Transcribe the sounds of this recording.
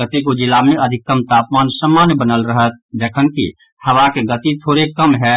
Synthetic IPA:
ət̪ikod͡ʒɪlamẽɐd̪ʱɪk̚ːkəmt̪aːpmaːnsəmːaːnjbənəlɾəɦət̪̚d̪eːkʰənkḭ | hɐʋakeɡət̪it̪ʰoːɾekəmɦɛ

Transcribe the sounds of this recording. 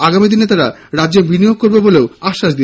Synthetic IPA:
aɡamid̪inet̪aɾa | ɾadʑebinijoɡ̚koɾbeboleoaʃːaʃd̪i

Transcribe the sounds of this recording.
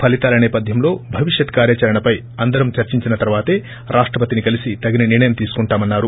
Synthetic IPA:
pʰɐlit̪aːlɐnɛːpɐd̪ʱjɐmlo̞ːbʱɐʋiʂjɐt̪kaːɾjɐt͡ʃɐɾɐɳɐpɐj | ɐnd̪ɐɾɐmt͡ʃɐɾt͡ʃiɲt͡ʃinɐt̪ɐɾuʋaːt̪e̞ː | ɾʔaːʂʈɾɐpɐt̪inikɐlisit̪ɐɡinɐniɾɳɐjɐmt̪iːsu̥kuɳʈaːmɐnːaːɾu

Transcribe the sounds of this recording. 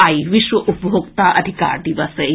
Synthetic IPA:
ɐjʋiʃʋɐʔupbʱokt̪aʔɐd̪ʱika̰ːɾd̪iʋɐse

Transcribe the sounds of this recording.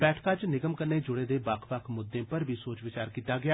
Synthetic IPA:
bɛːʈʰt̪aːt͡ʃnɪɡəmkənːeːd͡ʒʊɽeːd̪eːbakʰʋakʰmʊd̪ːẽːpəɾbiːsoːt͡ʃʋɪt͡ʃaːɾkiːt̪aːɡɪaː

